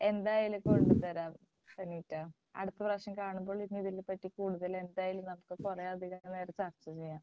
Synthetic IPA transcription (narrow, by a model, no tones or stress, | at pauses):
e̞nd̪aːjilumkoɻt̪ːɐt̪ɐɾaːm | sɐniːtːa | ɐ̰ɽɨt̪ːɐbraːkʂɐmkaːɳumbo̞ːɭinːɨiðilpɐtːikuːɽuðɐle̞nd̪aːjilumnɐmukːɨpurɐɐd̪ʱiɣɐneːɾɐt͡ɕart͡ɕːɐt͡ɕe̞jːaːm